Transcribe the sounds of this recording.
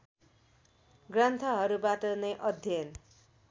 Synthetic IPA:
ɡrʌnt̪ʰʌɦʌɾubaʈʌnʌjʔʌd̪ʱjʌn

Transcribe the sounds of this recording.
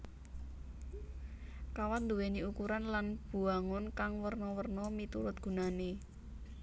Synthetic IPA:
kawat̪nd̪uweniukuɾanlanb̥ṳaŋʊnkaŋwərnɔwərnɔmit̪uɾʊt̪̚ɡ̥ṳnane

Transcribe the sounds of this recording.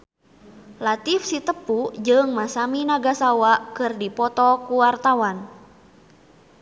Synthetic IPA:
lat̪ifsit̪əpud͡ʒɨŋmasaminaɡasawaʔkɨrdipɔt̪ɔkuwart̪awan

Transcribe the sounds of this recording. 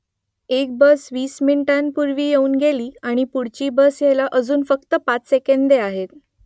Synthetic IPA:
ek̚bəsʋiːsminʈanpuɾʋiːjeuːnɡʱeliːaɽ̃ipuɽt͡ɕiːbəsjelaʔəd͡zuːnfəkt̪əpat͡ssekend̪eaɦet̪

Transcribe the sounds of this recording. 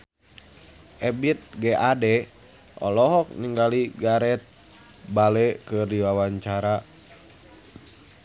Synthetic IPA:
ʔɛbit̪̚ɡɛʔadɛ | ʔɔ̰lɔɦɔk̚niŋɡaliɡaɾɛt̪̚ | balɛkɨrdiwawaɲt͡ʃaɾa

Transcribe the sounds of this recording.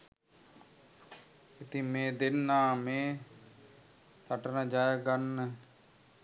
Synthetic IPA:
ɪt̪imẽːd̪ɪnːaːmẽː | t̪ʰəʈnad͡ʒaːekənːə

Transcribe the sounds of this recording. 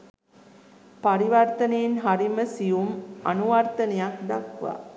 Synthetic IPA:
paɾiʋart̪ɐnejːnɦaɾiməsijumanuʋart̪ɐnejakd̪akʋa̰ː

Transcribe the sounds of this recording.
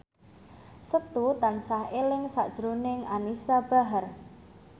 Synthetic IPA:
sət̪ut̪ansahelɪŋsa̰ʔd̥ʒ̥ɾonɪŋanisab̥a̤ɦər

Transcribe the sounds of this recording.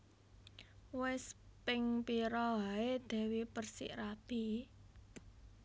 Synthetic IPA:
wɛspɪŋpiɾɔɦaed̪̥ɛ̤wipərsḭʔɾab̥i̤

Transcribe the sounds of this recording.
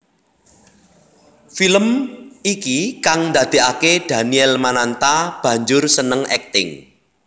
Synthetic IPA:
filəmikikaŋnd̪ä̤d̪̥e̤aked̪̥a̤niɛlmanant̪ab̥ä̤ɲd͡ʒʊrsənəŋɛ̰k̚t̪ɪ̰ŋ

